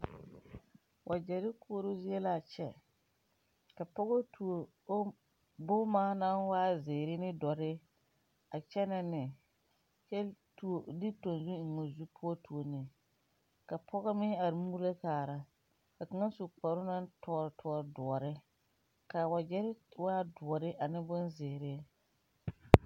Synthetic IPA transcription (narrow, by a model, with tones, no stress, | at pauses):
wʔa˨d͡ʒɛ˨ɾɪ˦kʊː˦o˦ɾo˦zi˦e˦la˨t͡ʃɛ˨ | ka˨pɔ˦ɣɔ˦tʰu˨o˨˦ | bʊː˦maː˦na˦nwaː˦zɪː˨ɾɪ˦nɪ˦dɔ˨ɾɪ˦ | a˨t͡ʃɛ˦na˦nɪ˨ | t͡ʃɛ˦tu˨o˨di˦to˨nzu˦˨ŋo˨zu˦pʰʊ˦ɔ˦tu˨o˨nɪ˨ | ka˨pʰɔ˦ɣɔ˦mɪ˦a˨ɾmuː˦ɾla˦kaː˨ɾa˨ | ka˨ka˨ŋa˦su˨k͡pa˨ɾʊ˦na˦ntɔ˦ɾtʰɔ˦˨ɔ˨ɾdʊ˨ɔ˨ɾɪ˦ | ka˨wa˨d͡ʒɛ˦ɾɪ˦waː˦dʊ˨ɔ˨ɾɪ˦ʔa˨nɪ˦bʊ˦nzɪː˨ɾɪ˦